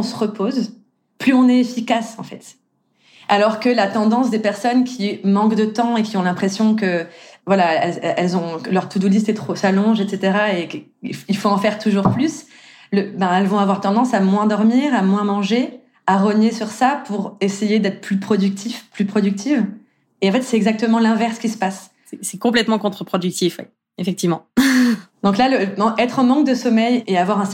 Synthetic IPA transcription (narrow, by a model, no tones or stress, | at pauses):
ɔ̃səʁəpʰoz | plyɔ̃nɛefikasɑ̃fɛ̰t̪ | alɔʁkəlat̪ɑ̃d̪ɑ̃sd̪epɛʁsɔnkʲʰimɑ̃kd̪ət̪ɑ̃ekʲiɔ̃lɛ̃pχesjɔ̃kəvwalaɛlɛɛlzɔ̃klœʁt̪ud̪ulist̪ɛt̪χosalɔ̃ʒet̪set̪eʁaek | iilfoɑ̃fɛʁt̪uʒuʁplys | ləbɛ̃ɛlvɔ̃avwaʁt̪ɑ̃d̪ɑ̃samwɛ̃d̪ɔʁmiːʁamwɛ̃mɑ̃ʒe | aʁənjesyʁsapʰuʁesejed̪ɛt̪χə̥plypχɔd̪yk̚t̪ʰifplypχɔd̪yk̚t̪ʰiv | eɑ̃fɛt̪sɛɛɡzak̚t̪əmɑ̃lɛ̃vɛʁskʲisə̥pas | sɛsɛkɔ̃plɛt̪mɑ̃kɔ̃t̪χəpχɔd̪yk̚t̪ifwɛ̰ | efɛk̚t̪ivmɑ̃ | d̪ɔ̃klaləm̃ʔɛt̪χɑ̃mɑ̃k̚d̪əsɔmɛjeavwaʁɛ̃